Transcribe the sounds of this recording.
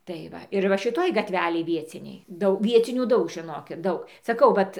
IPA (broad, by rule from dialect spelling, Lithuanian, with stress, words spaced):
tɐɪ ˈʋɐ ɪr ˈʋɐ ʃʲɪˈtoːj ɡɐˈtʲʋʲæːlʲeːj ˈʋʲiɛt͡sʲɪnʲɛɪ ˈdɐʊ ˈʋʲiɛt͡sʲɪnʲuː ˈdɐʊk ʒʲɪˈnoːkʲɪt ˈdɐʊk sɐˈkɐʊ ˈʋɐt